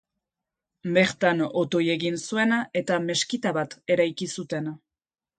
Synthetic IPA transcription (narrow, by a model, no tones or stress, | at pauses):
be̞ɾt̪ano̞t̪o̞je̞ɣinsue̞nae̞t̪ame̞skit̪aβat̪e̞ɾajkisut̪e̞n